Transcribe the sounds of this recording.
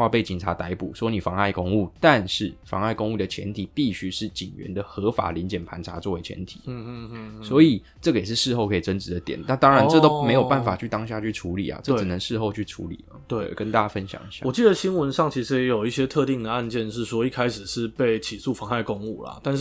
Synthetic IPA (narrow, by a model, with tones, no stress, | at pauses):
wa˥˧pe˥˩ɪt͡ɕi˨˩nʈ͡ʂʰa˧˦˥t̪a˧˥ɪpṵ˨˩swɔ˥ni˨˩fɑ˧˥ŋa˥˩ɪkʊ˥˧ŋu˥˩t̪a˥˧nʂɻ̩˥˩fɑ̰˧ŋa˥˧ɪkʊ˥˧ŋu˥˩d̪ə˩t͡ɕʰjɛ̰˧˦nt̪ʰi˨˩pi˥˩ɕy˥ʂɻ̩˥˩t͡ɕi˨˩nɥɛ̰˦nd̪ə˨xɤ˧˦˥fa̰˨˩li˧˦nt͡ɕjɛ˨˩npʰa˧˥nʈ͡ʂʰa˧˥t͡swɔ˥˩we˧˦ɪt͡ɕʰɛ̰˧˦nt̪ʰi̥̰˨˦ | swɔ˧˥i˨˩ | ʈ͡ʂɤ˥˩ɡə˩jɛ˨˩ʂɻ̩˥˧ʂɻ̩˥˧xo˥˩ʊkʰɤ˧˥i˨˩ʈ͡ʂə˦˥nʈ͡ʂɻ̩˧˥d̪ə˧t̪jɛ˨˩˦nna˥˩t̪ɑ˥ŋɻa˧˦nʈ͡ʂɤ˥˧t̪o˥ʊme˧˥ɪjo˨˩pa˥˩nfa˨˩t͡ɕʰy˥˩t̪ɑ˥ŋɕ̬ja˥˧t͡ɕʰy˥˩ʈ͡ʂʰu˧˥lḭ˨˩a̰˨˩ʈ͡ʂɤ˥˩˨nə˨˦ŋʂɻ̩˥˧xo˥˧ʊt͡ɕʰy˥˩ʈ͡ʂʰṵ˧˥lḭ˨˩lə˦t̪we˥˩e˥˩˨kə˦nt̪a˥˩t͡ɕa˥˧fə˦nɕjɑ̰˨˩ŋi˧˥ɕjɑ̰˥wɔ˨˩t͡ɕi˥˩d̪ə˩ɕi˥nwə˧˦nʂɑ˥˩ŋt͡ɕʰi˧˥ʂɻ̩˧˦jo˨˩ʊi˥˩ɕjɛ˥t̪ʰɤ˥˧t̪i˥˩ŋd̪ə˩a˥˧nt͡ɕjɛ˥˧nʂɻ̩˥˩ʂwɔ˥i˥kʰa˥ɪʂɻ̩˨˩ʂɻ̩˥˧pe˥˩ɪt͡ɕʰi˨˩su˥˩fɑ˧˥ŋa˥˩ɪkʊ˥ŋu˥˩lɐ̰˨˩t̪a˥˧nʂ